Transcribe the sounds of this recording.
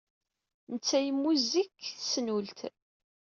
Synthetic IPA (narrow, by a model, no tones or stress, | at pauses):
nət͡sːæjəmːuzikːθsnult̪